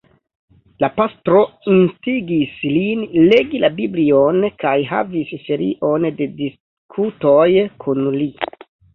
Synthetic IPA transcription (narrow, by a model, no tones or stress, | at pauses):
lapastɾo̞instiɡislinle̞ɡilabiblionkajɦa̰visʃeɾḭʔo̞nde̞dis | kʰutojkʰunli